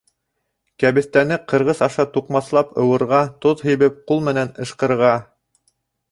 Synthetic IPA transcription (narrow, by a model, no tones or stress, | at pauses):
kæβɘ̆θt̪ænɘqɤ̆ɾʁɤzɑʃɑt̪uqmɑθlˠɑpɤ̆wɤ̆ɾʁɑt̪oðɦɵ̆jβɘp̚qulˠmɘ̆nænɤ̆ʃqɤ̆ɾʁɑ